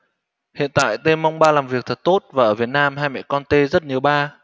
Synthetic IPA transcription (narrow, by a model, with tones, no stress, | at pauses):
hḭ˧˨ənt̪a̰ː˧˨jt̪e˧mːa˧wŋ͡mɓaː˧laː˨˩mvi˨˩ək̚t̪ʰə˨˩t̚t̪o˦˥t̚vaː˨˩ʔəː˧˩vi˨˩ət̚naː˧mhaː˧jmɛ̰ː˧˥˨kɔ˧nt̪e˧zə˦˥t̚ɲi˨˩əwɓaː˧